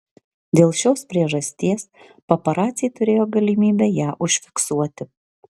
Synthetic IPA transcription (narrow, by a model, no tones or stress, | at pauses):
d̪ʲeːlˠʃʲoːspʲɾʲiɛʒɐsʲt̪ʲiɛs | pɐpɐɾɑːt̪sʲɪjɛɪt̪ʊɾʲeːjoːɡɐlʲimʲiːbʲɛjæːʔʊʃʲfʲɪ̥ksuɔt̪ʲɪ